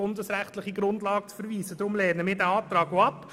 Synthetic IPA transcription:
ʊndəsɾæχtlɪχiɡɾʊndlɑːɡ̥̚t͡sfɛɾviːsəd̥ɾʊmlɛːnəmɪːdæɑːp̚t̪ɾɑːɡoɑp

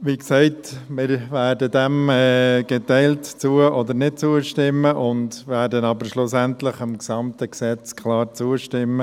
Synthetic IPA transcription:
ʋiksɛɪtmɪɾvæːɾdədɛmɛɡ̥ɛtɛɪltt͡suːəʔɔd̪əɾnɪt̚t͡suːəʃtɪmːəʔʊndʋæːɾdənɑbəɾʃlʊsæntləχɪmksɑmt̪əksɛt͡skʰlɑːɾt͡suəʃtɪmːə

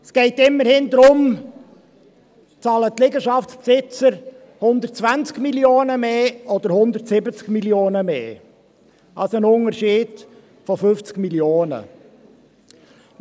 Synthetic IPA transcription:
sɡ̥ɛɪtɪmːəɾhɪnd̪ɾʊm | t͡sɑːlət̪ːlɪɡəʃɑftspsɪt͡səɾ | hʊnd̪əɾt̚t͡svænt͡skmiljoːnəmeːʔɔd̥̪əɾhʊnd̪əɾtsɪbət͡skmiljoːnəmeː | ɑlsənʊŋəɾʃiːd̥ | fɔfʏft͡skmiljoːnə̰

